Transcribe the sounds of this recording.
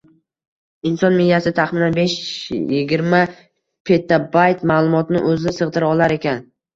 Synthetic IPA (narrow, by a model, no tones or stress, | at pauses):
ɪnsɒnmiljasɪt̪ʰaχmɪnanbeʃjɪɡʲɪɾma | pʰe̞t̪ːabajt̪maːlˠʊmɒt̪nɪ̰ʔɵzɪnɪsɨʁd̪ɪɾaɒlˠaɾe̞kʲʰan